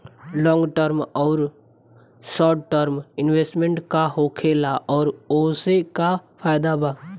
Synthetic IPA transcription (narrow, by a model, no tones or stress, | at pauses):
lɔ̃ːŋɡʈəɾmɔːɾ | sɔːɾʈʈəɾmɪnʋeːsʈmẽɳʈkaɦokʰeːlaʔɔːɾoːsekapʰaːɪd̪abaː